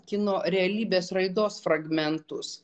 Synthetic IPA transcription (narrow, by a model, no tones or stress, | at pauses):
kʲɪnoːɾʲɛɐlʲiːbʲeːsɾɐɪd̪oːsfɾɐɡmʲɛnt̪ʊs